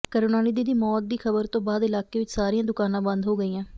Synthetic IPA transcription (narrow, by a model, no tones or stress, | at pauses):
kəɾoːnaːniːd̪iːd̪iːmɔːt̪̚d̪iːkʰəbəɾt̪õːbaːd̪ɪlaːkeːʋɪt͡ʃsaːɾijãːd̪ʊkaːnãːbə̃nd̪ɦoːɡəiːãː